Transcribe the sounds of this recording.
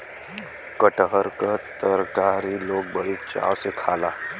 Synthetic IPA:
kəʈɦəɾkat̪əɾkaːɾiloːɡ̚bəɽit͡ʃa̰ːwsekʰaːlaː

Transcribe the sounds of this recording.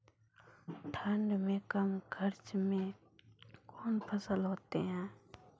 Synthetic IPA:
ʈʰaɳɖmeːkɐmkʰəɾt͡ʃme | koːnpʰəsəlɦoːt̪eːɦɛ̃ː

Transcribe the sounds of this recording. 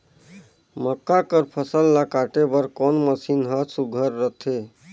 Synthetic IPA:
məkːakəɾpʰəsəlːakaʈebəɾkɔnməsinɦəsuɡʱəɾːət̪ʰe

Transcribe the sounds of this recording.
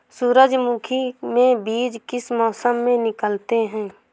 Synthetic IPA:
suːɾəd͡ʒmukʰimẽbiːd͡ʒkɪsmɔːsəmːẽnɪkəlt̪eɦɛ̃ː

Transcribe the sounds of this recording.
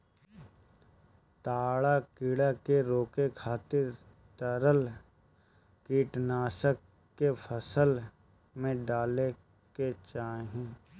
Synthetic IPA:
t̪aːɭakiːɽakeɾoːkekʰaːt̪ɪɾ | t̪əɾəl | kiːʈnaːsəkː | epʰəsəl | mẽɖaːle | ket͡ʃaːeɦɛ̃ː

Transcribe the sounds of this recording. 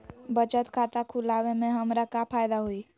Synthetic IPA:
bət͡ʃət̪kʰaːt̪akʰʊlaːwemẽɦəmɾakapʰaːjd̪aɦoiː

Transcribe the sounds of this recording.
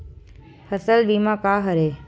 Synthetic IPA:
hɐsəlɓiːmãkaːɦɐɾeː

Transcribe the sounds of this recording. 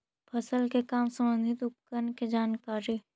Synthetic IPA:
pʰɐsəlkekaːmsə̃mbə̃nd̪ʱɪt̪ʊp̚kənked͡ʒaːnkaːɾi

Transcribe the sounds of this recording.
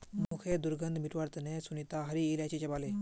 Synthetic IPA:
mukʰed̪uɾɡənd̪miʈʋəɾt̪nesunit̪aɦɐɾiːljat͡ɕet͡ɕɐbaːle

